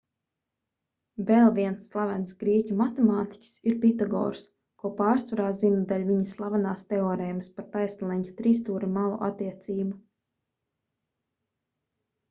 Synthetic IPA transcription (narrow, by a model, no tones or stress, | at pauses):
vɛlˠvʲiɛnsːlˠavɛnsɡɾiɛcʲumat̪ɛmaːt̪i̥cʲsiɾpʲit̪aɡɔ̰ːɾs | kuɔpaːɾsvaɾaːzinad̪alʲvʲiɲaslˠavanaːst̪ɛɔːɾɛjmspaɾt̪ajst̪alˠɛɲʲcḁt̪ɾiːst̪uːɾimalˠṵʔa̰t̪ːiɛt̪siːbu